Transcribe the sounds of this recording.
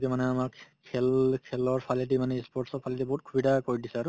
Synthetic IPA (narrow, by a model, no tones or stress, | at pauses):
kɛmanɛamakkʰɛlkʰɛlɔɹpʰalitimanɛispɔɹtsɔpʰalitiboɦut̚kʰubidakoɹidisɛaɹʊ